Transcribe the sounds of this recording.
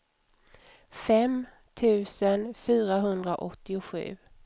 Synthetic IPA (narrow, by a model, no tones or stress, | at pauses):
fɛm | t̪ʰʉ̟ːsənfyːɾaɦɵnd̪ɾaʔɔt̪ːɪʊɧʉ̟̰ː